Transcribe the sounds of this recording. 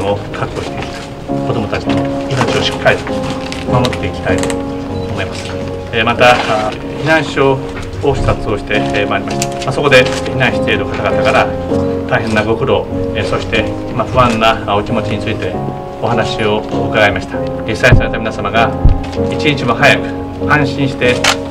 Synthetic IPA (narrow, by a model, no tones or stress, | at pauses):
okʰakɯoɕi̥t̪e̞ikʲi̥t̪ḁ | ko̞d̪o̞mot̪at͡ɕi̥d̪oino̞t͡ɕio̞ɕi̥kːaɾʲit̪o | mamo̞t̪ːe̞ikʲi̥t̪ait̪oː | mo̞imasɨ̥ | mat̪a | çinãɰ̃ɕoː | ɕsat͡sɨo̞ɕi̥t̪e̞maːɾʲimaɕi̥t̪ḁmaso̞ko̞d̪e̞çinãɰ̃ɕi̥t̪eiɾɯ̟kat̪aɡat̪akaɾa | t̪aiɦẽ̞nːaɡo̞kɯ̟ɾo̞so̞ɕi̥t̪e̞ | maɸɯβãnːaokʲimo̞t͡ɕiɲ̟it͡sɨit̪e̞ | o̞hanaɕio̞kaɡaimaɕi̥t̪ḁ | ɡisːaɲisaɾe̞t̪amʲinasamaɡa | it͡ɕiɲit͡ɕimo̞hajakɯ̟̥ | ãɰ̃ɕĩɕi̥t̪e̞